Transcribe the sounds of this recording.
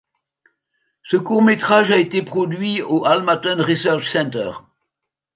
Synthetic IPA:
səkuʁmet̪χaʒaet̪epχɔd̪ɥioʔalmat̪ɔnʁisɛʁʃsɛ̃nt̪œ̰ʁ

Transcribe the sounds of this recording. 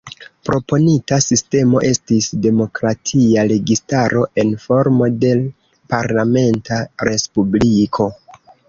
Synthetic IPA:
pɾo̞po̞nitasiste̞mo̞ʔe̞stisde̞mo̞kɾatʰiaɾe̞ɡistaɾo̞ʔe̞nfo̞ɾmo̞de̞l | paɾlame̞ntʰaɾe̞spublikʰo̞

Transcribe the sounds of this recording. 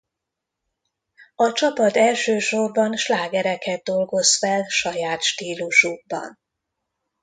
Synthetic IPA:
ɒt͡ʃɒpɒt̪ɛlʃøːʃo̞rbɒnʃlaːɡɛɾɛkɛd̪̚d̪o̞lɡo̞zfɛlʃɒjaːt̪ʃt̪iːluʃuɡ̚bɒ̰n

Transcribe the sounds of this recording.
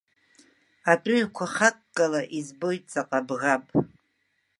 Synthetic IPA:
atʼʊʕkʷʰaχakʼːalaʔizbo̞jtʼt͡sʼaqʼabɣapʼ

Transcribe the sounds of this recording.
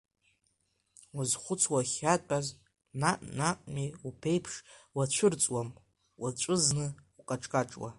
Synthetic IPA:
uzχʷʊt͡sʰwaχʲaaz | naʔʼnaqʷʼmiupʰe̞jpʰʂwat͡ɕʷʰʊrt͡sʼwam | wat͡ʃʷʼɨznɨuqʼaʈ͡ʂʼkʼaʈ͡ʂʼwa̰

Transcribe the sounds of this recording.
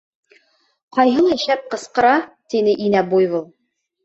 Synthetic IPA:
qɑjɦɤ̆lˠɑʃæp̚qɤ̆sqɤ̆ɾɑt̪inɘʔinæbujβɤlˠ

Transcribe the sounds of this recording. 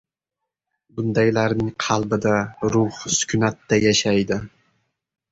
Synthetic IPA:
bʊnd̪ajlaɾnɪŋqʰɑlˠbɪd̪aɾʊhsʊ̥kʲʰʊnat̪ːajaʃajd̪ɪ

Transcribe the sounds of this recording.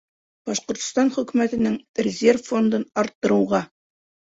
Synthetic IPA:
b̥ɑʃqŏɾt̪̆st̪ɑnχɵ̆kʉmæt̪ɘ̆nɘŋrʲɪzʲe̞rffo̞nd̪ɤnɑɾt̪ːɤ̆ɾɤ̆wʁɑ

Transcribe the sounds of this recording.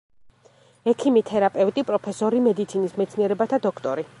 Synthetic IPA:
ɛkʰimit̪ʰɛɾapʼɛvt̪ʼipʼɾɔpʰɛsɔɾimɛd̪it̪sʰinismɛt̪sʰniɛɾɛbat̪ʰad̪ɔkʰt̪ʼɔɾi

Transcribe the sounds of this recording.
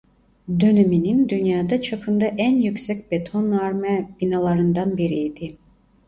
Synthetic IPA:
d̪ø̞nɛminind̪ynjaːd̪ɑt͡ʃʰapʰɯnd̪ɑʔænjykʲsɛc̚ʲbet̪ʰonaɾmɛb̥inalˠɑɾɯnd̪anbiɾid̪i

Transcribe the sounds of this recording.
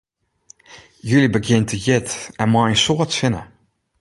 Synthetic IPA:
jylibəɡjɪntəjɪtɛnmɔjənsoətfɪnə

